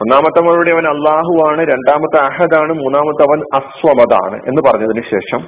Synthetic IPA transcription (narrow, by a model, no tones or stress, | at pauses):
onːaːmɐt̪ːɐmɐɭuɽeɐʋɐnɐlːaːɦuʋaːɳɨɾe̞ɳɖaːmɐt̪ːɨɐɦɐd̪aːɳɨmuːnːaːmɐt̪ːɐʋɐnɐsʋɐmɐða̰ːɳɨ̰ʔe̞nːɨpɐrɐɲːɐðinɨɕe̞̰ːʂɐm